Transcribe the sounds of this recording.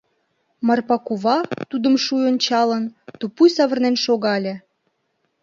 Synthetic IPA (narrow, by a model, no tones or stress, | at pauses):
mɑrpɑkuβɑt̪ud̪əmʃujont͡ɕɑlənt̪upujsɑβərnenʃoɣɑlʲĕ